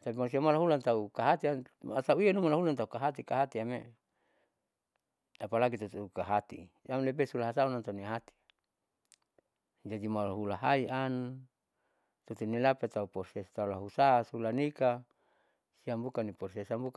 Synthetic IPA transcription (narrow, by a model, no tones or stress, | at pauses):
t̪apimans̬iamalaɦulant̪aukaɦat̪iaasauianumalaɦulant̪aukaɦat̪ikaɦat̪iamḛ | apalaɡit̪ut̪ukaɦat̪ḭalepesulaɦasaunant̪auniaɦat̪i̥a | d͡ʒadimalaɦulaɦaian | t̪ut̪unilapet̪aupɔrsest̪aulaɦusasulanika | siambukanipɔrsesambuk